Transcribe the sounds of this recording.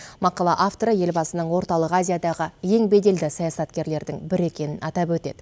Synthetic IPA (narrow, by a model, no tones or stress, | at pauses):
mɑqɑlˠɑʔaft̪oɾəje̞lbɑsənəɴwo̞ɾt̪ɑlˠəqazʲijad̪ɑʁəje̞ŋbe̞d̪e̞ld̪ɪsɑjɑsɑt̪kʲe̞ɾle̞ɾd̪ɪŋbɪɾe̞kʲe̞nɪnɑt̪ɑpwɵt̪e̞d̪ɪ